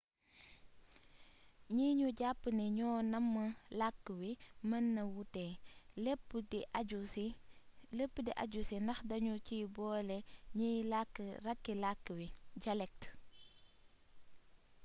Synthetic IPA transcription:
ɲiɲuɟapːənɛɲɔːnɐmːɐlakːəwimɐnːɐwutɛːlepːədiʔaɟusiləpːədiʔɐ̰ɟusinɐxdɐɲut͡ʃiːbɔːlɛɲijlakːərɐkːilakːəwiɟɐlɛk̚t

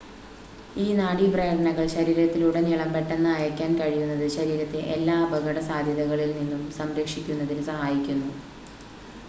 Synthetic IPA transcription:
iːnaːɽibrɐjɐɽɐɳɐɣɐɭɕɐɾiːɾɐt̪ːiluɽeniɭɐmbeʈːenːɐːjɐkʲːaːnkɐɻijunːɐðɨɕɐɾiːɾɐt̪ːeʔelːaːbʱɐɣɐɽɐsaːd̪ʱjɐðɐɣɐɭilninːumsɐmɾɐkʂikʲːunːɐðilsɐhaːjikʲːunːu

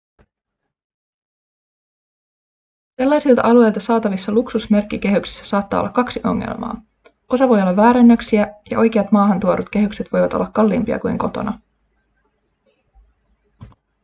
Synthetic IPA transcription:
selːɑjsilt̪ɑ̰ʔɑlue̞jlt̪ɑsɑːt̪ɑʋisːɑluksusme̞rkːike̞ɦyksi̥sːæ̥sɑːt̪ːɑ̰ːo̰lːɑ̰kːɑksiʔo̞̰ŋːḛlmɑ̰ː | o̞sɑʋo̞jolːɑʋːæːɾenːøksiæjɑ̰ʔo̞jk̟eɑt̪mɑːɦɑnt̪uoɾut̪k̟e̞ɦykset̪ʋo̞jʋɑt̪olːɑkːɑlːimpiɑ̰kujŋko̞t̪o̰nɑ

